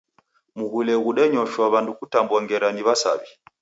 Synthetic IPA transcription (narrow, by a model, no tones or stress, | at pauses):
muɣulɛɣuɗɛɲɔʃwaβandukutambwaŋɡɛɾaniβasa̰βi